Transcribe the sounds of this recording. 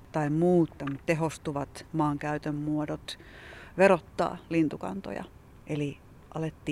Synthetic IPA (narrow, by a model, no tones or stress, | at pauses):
t̪ɑimmuːt̪ːɑmut̪t̪eɦost̪uʋɑt̪mɑːŋkæyt̪ømmuodot̪ʋerot̪ːɑ̰ːlint̪ukɑ̰nt̪o̰jɑ̰ | ʔeli | ʔɑlet̪ːiː